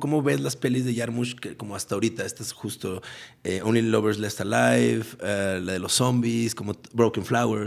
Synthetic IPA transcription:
ko̞mo̞βe̞zlaspe̞lizðeʝaɾmuʃkeko̞mo̞ast̪ao̞ɾit̪aest̪asxust̪o̞eownliloβeɾslest̪alajfalaðe̞losːo̞mbisko̞mo̞bɾowkaɱflaweɾs

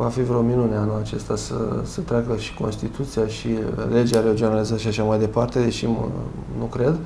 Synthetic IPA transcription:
vafivɾeo̞minuneanuat͡ʃe̞st̪asə̰sət̪ɾakəʃi̥ko̞̰nst̪it̪ʰut̪sijaʃile̞d͡ʒaɾeod͡ʒonalizat̪ʃiaʃamajd̪e̞part̪e̞d̪e̞ʃimnukɾe̞d̪

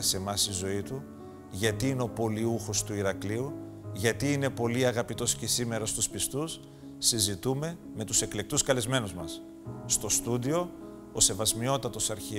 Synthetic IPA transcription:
se̞mɐsizo̞it̪u | ʝɐt̪iineo̞po̞liuxo̞st̪uiɾɐkliu | ʝɐt̪iine̞po̞liɐɣɐpit̪o̞sce̞sime̞ɾɐst̪uspist̪usː | izit̪ume̞ | me̞t̪use̞kle̞k̚t̪uskɐlezme̞nuzmɐsː | t̪o̞st̪ud̪io̞ | ose̞vɐzmio̞t̪ɐt̪o̞sɐɾçi

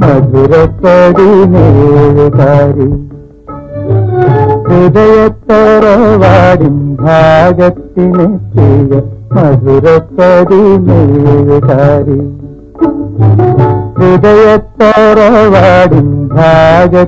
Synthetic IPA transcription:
mɐd̪ʱʋiɾɐt̪ːɐd̪ineʋit̪aːɾi | ɾid̪ɐjɐt̪ːɔɾɔʋaːɽimbʱaːd͡ʒɐt̪ːinet̪ijɐmɐd̪ʱʋiɾɐt̪ːɐd̪imeʋit̪aːɾi | ɾid̪ɐjɐt̪ːɔɾɔʋaːɽimbʱaːd͡ʒɐ

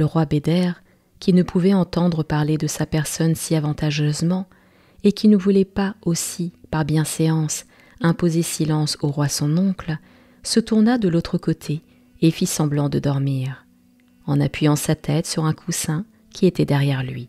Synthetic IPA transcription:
ləʁwabed̪ɛʁ | kʲinəpʰuvɛɑ̃t̪ɑ̃d̪ʁəpaʁled̪əsapɛʁsɔnsiavɑ̃t̪aʒøzmɑ̃ | ekʲinəvulɛpaosipaʁbjɛ̃seɑ̃s | ɛ̃pozesilɑ̃soʁwasɔ̃nɔ̃kl | sət̪uʁnad̪əlot̪χəkot̪ʰe | efisɑ̃blɑ̃d̪əd̪ɔʁmiʁ | ɑ̃napɥijɑ̃sat̪ʰɛt̪syʁɛ̃kʰusɛ̃ | kʲʰiet̪ɛd̪ɛʁjɛʁlɥi

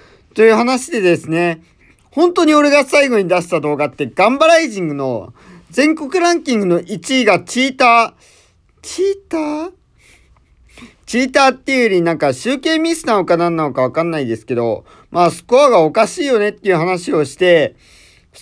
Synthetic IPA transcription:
t̪o̞jɯ̟ːhanaɕid̪e̞d̪e̞sɨne̞ | hõ̞nt̪o̞ɲ̟io̞ɾe̞ɡasaiɡo̞ɲ̟id̪aɕi̥t̪ad̪o̞ːɡat̪ːe̞ɡãmbaɾaiʑĩŋɡɯ̟no̞̰ | d͡zẽ̞ŋko̞kɯ̟ɾãŋkʲĩŋɡɯ̟no̞ʔit͡ɕiːɡat͡ɕiːt̪aː | t͡ɕiːt̪aː | t͡ɕiːt̪aːt̪ːejɯɾʲinãŋkaɕɨːke̞ːmʲisɨ̥naːokanãnːanokaβ̞akanːaid̪e̞sɨ̥ke̞d̪o̞̰ | maːsɨ̥koaɡao̞kaɕiːjo̞ne̞t̪ːe̞iɯ̟ɦanaɕio̞ɕi̥t̪e̞

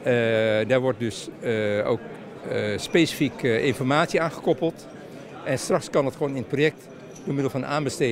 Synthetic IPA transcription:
daːɹʋɔɹt̚dɵso̰wk | speːsifikɪnfɔrmaːtsiaːnχəkɔpəl̩ˠt | ʔɛnstrɑxskɑnɑtχəʋoːnɪnəprojɛk̚t | doːmɪdəlˠfɑnaːnbəste

